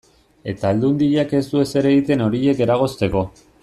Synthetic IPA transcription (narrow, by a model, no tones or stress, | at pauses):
e̞t̪aːld̪und̪iʎake̞st̪ue̞se̞ɾe̞ɣit̪e̞no̞ɾie̞ke̞ɾaɣ̞o̞st̪e̞ko̞